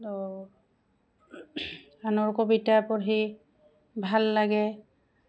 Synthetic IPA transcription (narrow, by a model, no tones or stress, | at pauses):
anɔɹkobitapɔɹɦi | bʱalːaɡɛ